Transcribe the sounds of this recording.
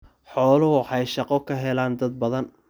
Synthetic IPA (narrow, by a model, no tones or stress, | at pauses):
ħɔːlɐwɑħɑjʃɑqɔkʰɐɦɛlaːnd̪ɐd̪̚bɐðɐn